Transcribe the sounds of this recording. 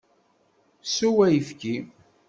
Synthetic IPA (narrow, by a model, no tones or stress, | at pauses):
suwæjəfki